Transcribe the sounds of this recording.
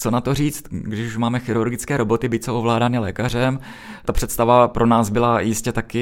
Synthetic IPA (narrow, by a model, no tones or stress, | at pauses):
t͡so̞nat̪oriːt͡st̪ɡdɪʃuʃmaːmɛxɪɾuɾɡɪt͡skɛːɾo̞bo̞t̪ɪbɪc̚t͡soovlaːdaːnɪlɛ̰ːkar̝ɛm | t̪apr̝̥ɛt̪st̪avapɾʔo̞naːzbɪlajɪscɛt̪akɪ